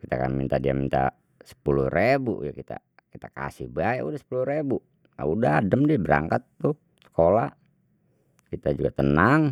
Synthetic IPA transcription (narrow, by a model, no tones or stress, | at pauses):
kit̪aka̰nmint̪adiamint̪a̰ | sə̥pulurebṵjakit̪a̰ | kit̪aka̰sɪ̰hbaɛʔudahsə̥puluɾebu | a̰udadəmdiabəɾa̰ŋkat̪ːu | sə̥kola | kit̪ad͡ʒuɡat̪ənaŋ